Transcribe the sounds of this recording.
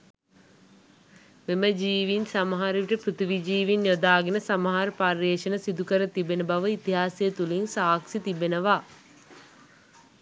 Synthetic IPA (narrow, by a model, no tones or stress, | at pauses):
meməd͡ʒiːʋinsamɐɦaɾəʋiʈəpɾut̪iʋid͡ʒiːʋinjod̪aːɡenəsamɐɦaɾəparːeːʃənəsid̪ukəɾət̪ibenəbaʋəit̪iɦaːsijət̪ulinsaːksit̪ibenəʋaː